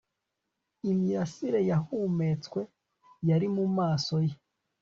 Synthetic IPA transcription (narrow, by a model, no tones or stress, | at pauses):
imiɾasiɾe̞jahuːme̞t͡swe̞ | jaɾimumaːso̞je